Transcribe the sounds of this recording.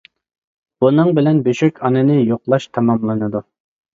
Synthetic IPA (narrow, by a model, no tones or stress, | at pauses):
b̥unɨŋbɪlɛnbøʃykʲɑnɨnɨjoqlˠɑʃt̪ʰɑmɑmlˠɨnɨd̪u